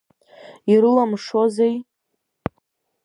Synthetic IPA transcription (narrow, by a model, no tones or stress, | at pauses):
iɾɨlamʂozej